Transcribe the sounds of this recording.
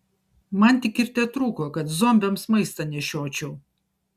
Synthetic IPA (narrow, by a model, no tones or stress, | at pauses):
mɐnt̪ʲɪkɪɾʲt̪ʲɛt̪ɾuːkoːkɐt̪zomʲbʲɛmsmɐɪst̪ɐnʲɛʃʲoːt͡ʃʲɛʊ